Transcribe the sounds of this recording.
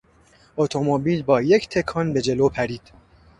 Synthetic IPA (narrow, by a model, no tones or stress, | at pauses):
ʔot̪ʰomobiːlbɒːje̞cʰt̪ʰe̞kʰɒːnbe̞d͡ʒe̞lopʰæɾiːd̪̥